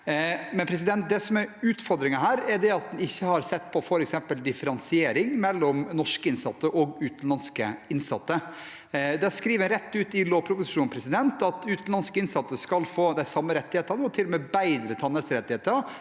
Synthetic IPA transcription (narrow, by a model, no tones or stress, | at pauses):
mɛnpʰɾɛs̬ɪd̪ɛnt̪̚d̪ɛsɔmɛɾʉːt̪fɔɾd̪ɾɪŋəɦæːɾɛɖɛɑt̪̚d̪ɛnɪçːəhɑɾsɛt̪ːpʰɔfɔɾɛksɛmpəld̪ɪfəɾɑnsɪeːɾɪŋmɛlːɔmnɔʂkəɪnsɑt̪ːəʔɔɡʉːt̪n̩lɑnskəɪnsɑ̰t̪ːə | d̪ɛskɾiːʋənɾɛt̪ːʉːt̪ɪloːpʰɾʊpʊsɪʂuːnpʰɾɛsɪd̪ɛnt̪ɑt̪ʉːt̪n̩lɑnskəɪnsɑt̪ːəskɑlfoːd̪æɪsɑmːəɾɛt̪ːɪheːt̪ənəɔt̪ʰɪlːɔmeːbæɪd̪ɾət̪ʰɑnəɾsɾɛt̪ːɪheːt̪əɾ